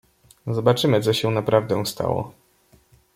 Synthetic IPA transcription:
zɔbat͡ʂɘmɘt̪sɔɕɛnapɾavd̪ɛ̃st̪a̰wɔ̰

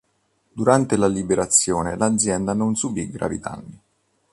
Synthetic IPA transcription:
d̪uɾant̪elalibeɾat̪sːjoːnelad̪zjɛnd̪anonsubiɡɾa̰vḭt̪a̰nːi

